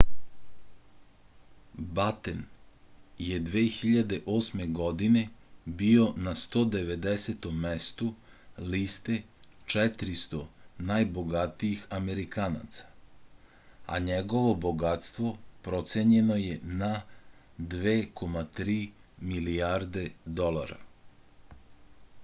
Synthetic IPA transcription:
bat̪en | jed̪ʋeːxiʎad̪e̞ʔo̞ːsme̞ɡo̞d̪ine̞bio̞nast̪o̞ːd̪e̞ʋe̞d̪eset̪o̞mːest̪u | liːst̪e̞t͡ʃɛt̪ɾist̪o̞najboɡat̪iixame̞ɾikaːna̰t̪sḁ | a̰ɲeɡo̞ʋo̞bo̞ɡat̪st̪ʋo̞pɾot̪seɲe̞no̞jena | d̪ʋeːkʰomat̪ɾiːmiliaːɾd̪e̞d̪o̞lˠa̰ɾa̰

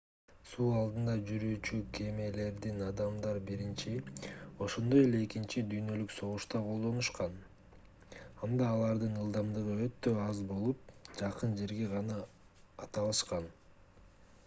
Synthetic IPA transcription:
suːɑlˠd̪ɯnd̪ɑd͡ʒyɾyːt͡ʃykʰe̞me̞le̞ɾd̪inɑd̪ɑmd̪ɑɾbiɾint͡ʃio̞ʃo̞nd̪oje̞le̞ːkint͡ʃid̪yjnø̞lykso̞ʁuʃt̪ɑqʰo̞lˠd̪o̞nuʃqɑn | ɑnd̪ɑːlˠɑɾd̪ɯnɯlˠd̪ɑmd̪ɯʁɯø̞t̪ːø̞ɑzbo̞lˠup̚d͡ʒɑqɯnd͡ʒe̞ɾɡe̞ʁɑnɑː | t̪ɑlˠɑʃqɑn

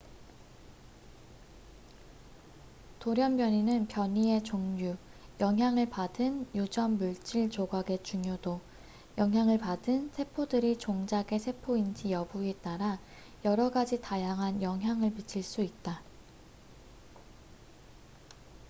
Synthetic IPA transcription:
toɾjʌmbjʌɲinɯnpjʌɲie̞t͡ɕoŋɲujʌŋɦjaŋɯɭpadɯnjud͡ʑʌmːuɭt͡ɕ͈iɭt͡ɕoɡaɡe̞t͡ɕuŋjodo | jʌŋɦjaŋɯɭpadɯnsʰe̞pʰodɯɾit͡ɕoŋd͡ʑaɡe̞sʰe̞pʰoind͡ʑijʌbuet͈aɾa | jʌɾʌɡad͡ʑitajaŋɦanjʌŋɦjaŋɯɭmit͡ɕʰiɭs͈uit̚t͈a

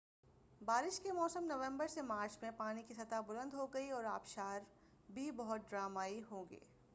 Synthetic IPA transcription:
baːɾɪʃkemɔːsəmnɐʋẽmbəɾsemaːɾt͡ʃmẽpaːñikisɐt̪abʊlə̃nd̪ɦoɡɐiɔːɾaːpʃaːɾ | bʱibɐɦʊt̪̚ɖɾaːmaːiɦõːŋɡḛː

